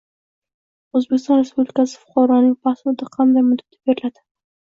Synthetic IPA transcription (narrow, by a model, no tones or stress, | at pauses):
ozbekʲɪst̪ɒnɾespublɪkʲasɪ̥fʊ̥qɑɾɒnɪŋpʰasʊd̪ɪqʰɑnd̪ajmʊd̪ḁt̪ʰḁbeɾɪlad̪ɪ̥